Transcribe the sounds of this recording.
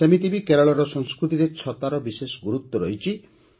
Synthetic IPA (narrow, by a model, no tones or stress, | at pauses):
semit̪ibikeɾɔɭɔɾɔsɔŋskɾut̪iɾet͡ʃʰɔt̪aɾɔbisesɡuɾut̪ːɔɾɔ̰ɦjt͡ʃʰi